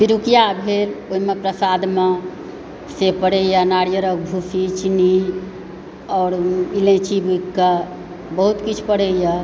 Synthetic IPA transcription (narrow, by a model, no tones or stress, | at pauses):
piɾukijabʱeloimepɾəsad̪me | sepəɽ̤əjanaɽjəɾək̚bʱusit͡ʃini | ɔːɾilẽt͡ʃibukːa | bəɦut̪kit͡ʃʰpəɽ̤əja